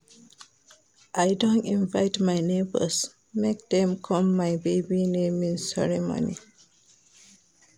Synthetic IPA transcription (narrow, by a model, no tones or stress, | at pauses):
ʔajdõntĩnvaɪtmaɪnebə̰s | mek̚d̪ɛ̃mkʰɔ̃mːaɪbeɪbinẽmĩnsɛɹɛmo̰nḭ